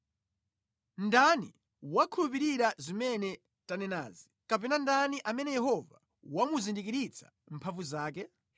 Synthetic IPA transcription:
ndani | wakʰulup̬iɾiɾazimɛnɛ | tanɛna̰ːzi | kapɛnandaniʔamɛnɛjɛhɔva | wamuzindikiɾit͡sʰḁ̰ | m̩pʰaɱvuzaːk̬ɛ

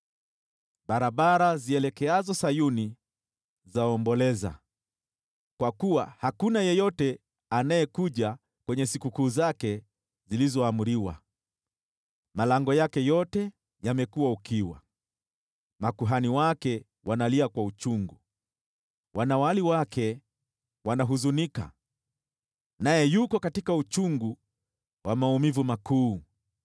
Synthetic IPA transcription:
ɓaɾaɓaɾaziɛlɛkɛazɔsajuni | zaɔmbɔlɛza̰ | kwakuwa̰hakunajɛjɔtɛ | anajɛkuʄa | kwɛɲɛsikukuːzakɛ | zilizɔamuɾiwa̰ | malaŋɡɔjakɛjɔtɛ | jamɛkuwaukiwa̰ | makuɦaniwakɛ | wʔanaliakwaut͡ʃuŋɡu | wʔanawaliwakʰɛ | wanaɦuzunika̰ | najɛjukɔkatikaut͡ʃuŋɡu | wamaumivumakuː

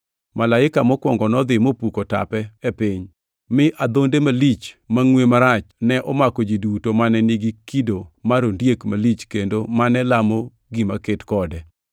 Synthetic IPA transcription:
malaɪkamɔkwɔŋɡɔnɔd̪ɪmopukota̰pɛɛpɪɲ | mɪʔad̪ondemalit͡ʃmaŋwemaɾat͡ʃnɛʔɔmakod͡ʒidutomanɛniɡikidomaɾondjekmalit͡ʃkendomanɛlamo | ɡimaketkɔdɛ

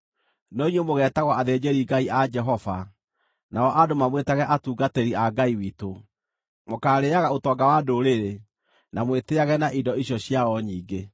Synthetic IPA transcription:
nɔiɲemoɣɛːtaɣɔaðed͡ʑeɾiɡaiʔad͡ʒɛɦɔva | naɔʔadomamwetaɣɛʔatuːɡatɛɾiaɡaiwito | mokaːɾeaɣaotɔːɡawadoɾeɾe | namweteaɣɛnaʔidɔiɕjɔɕjaɔɲiːɡe

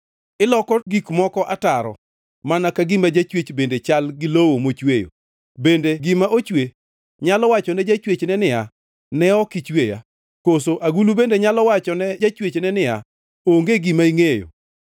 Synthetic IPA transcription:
ɪlɔkɔɡikmɔkɔʔataɾɔ̰ | manakaɡɪmad͡ʒat͡ʃwet͡ʃbendet͡ʃalɡɪlowomot͡ʃwejo̰ | bendeɡɪmaʔot͡ʃwe | ɲalɔwat͡ʃɔnɛd͡ʒat͡ʃwet͡ʃnɛnɪa | nɛɔkit͡ʃweja̰ | kosoʔaɡulubendeɲalɔwat͡ʃɔnɛd͡ʒat͡ʃwet͡ʃnɛnɪa̰ | oŋɡeɡɪmaiŋejo̰

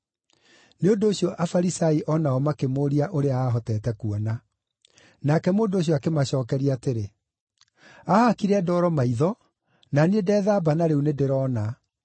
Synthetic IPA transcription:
neondoːɕiɔʔafaɾisaiʔɔnaɔmakemoːɾiaʔoɾeaaːɦɔtɛːtɛkuɔna | nakɛmoːndoːɕ̬jɔakemaɕɔːkɛɾiateɾe | ahakiɾɛdɔːɾɔmaiðɔ | nanedɛːðaːbanaɾeunedeɾɔna

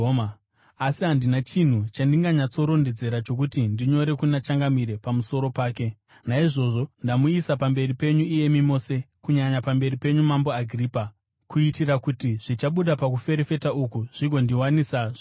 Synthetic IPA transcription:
asiɦandinat͡ʃin̤ut͡ʃandiŋɡaɲat͡so̞ɾo̞nde̞d͡ze̞ɾat͡ʃo̞k̬utindiɲo̞ɾe̞kunat͡ʃaŋɡamiɾe̞pamuso̞ɾo̞paːke̞ | naiʐo̞ʐo̞ndamuisapambe̞ripe̞ɲuije̞mimo̞ːse̞ | kuɲaɲapambe̞ripe̞ɲumambo̞aɡʱriːpa | kuitirakutiʐ̥it͡ʃaɓuɗapak̬ufe̞ɾefe̞taukuʐ̥iɡʱo̞ndiwanisaʐi

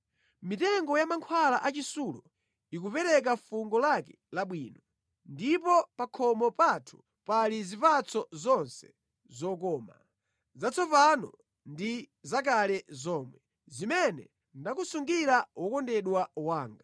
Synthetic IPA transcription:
mitɛŋɡɔjamaŋkʰwalaʔat͡ʃisulɔ | ikupɛɾɛk̬afuŋɡɔlakɛ̥ | laɓwiːnɔ | ndipɔpakʰɔmɔpatʰu̥ | palizipat͡sɔzɔnsɛ̥ | zɔk̬ɔːma | zat͡sʰɔpanɔ̰ | ndi | zak̬alɛzɔːmwɛ | zimɛnɛ̰ | ndakusuŋɡiɾawɔkɔndɛɗwawaːŋɡa

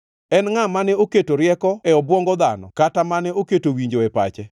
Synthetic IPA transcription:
ɛnŋamanɛoketoɾjɛkɔɛɔbwɔŋɡɔd̪anɔ̰katamanɛoketowiɲd͡ʒoɛpa̰t͡ʃɛ

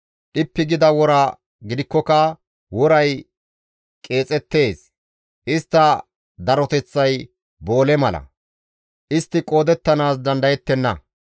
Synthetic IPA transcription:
ʔɪpːɪɡɪd̪ɐwɔɾɐ | ɡɪd̪ɪkːɔkɐ | wɔɾɐj | kʼe̞ːt͡sʼɛt̪ːe̞ːs | ʔɪst̪ːɐ | d̪ɐɾɔt̪ɛt͡sːɐj | bo̞ːlɛmɐlɐ̰ | ʔɪst̪ːɪkʼo̞ːd̪ɛt̪ːɐnaːsd̪ɐnd̪ɐjɛt̪ːɛnːɐ̰

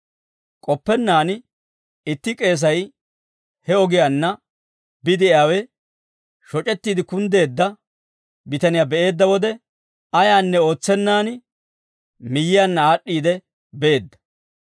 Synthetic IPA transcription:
kʼɔpːɛnːaːn | ɪt̪ːɪkʼe̞ːs̬ɐj | hɛɔɡɪjaːnːɐ | bɪd̪ɪaːwɛ | ʃɔt͡ʃʼɛt̪ːiːd̪ɪkʊnd̪e̞ːd̪ːɐ | bɪt̪ɐnɪjaːbɛʔe̞ːd̪ːɐwɔd̪ɛ | ɐjaːnːɛo̞ːt͡sːɛnːaːnɪ | mɪjːɪjaːnːɐaːɗːiːd̪ɛ | bɛʔeːd̪ːɐ̥

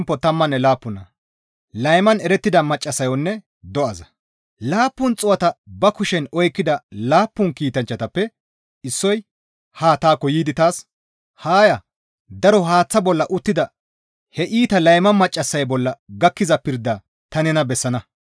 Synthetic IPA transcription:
mpːɔt̪ɐmːɐnːɛlaːpːʊnɐ | lɐjmɐnɛɾɛt̪ːɪd̪ɐmɐt͡ʃʼːɐsːɐjɔnːɛ | d̪ɔɐzɐ | laːpːʊnt͡sʼʊwɐt̪ɐbɐkʊʃɛnɔjkːɪd̪ɐlaːpːʊŋkiːt̪ɐnt͡ʃːɐt̪ɐpːɛ | ɪsːɔj | haːt̪aːkːɔjiːd̪ɪt̪aːs | haːjɐ | d̪ɐɾɔɦaːt͡sːɐbɔlːɐʔʊt̪ːɪd̪ɐ | hɛʔiːt̪ɐlɐjmɐmɐt͡ʃʼːɐsːɐjbɔlːɐɡɐkːɪzɐpɪɾd̪aː | t̪ɐnɛnɐbɛsːɐnɐ

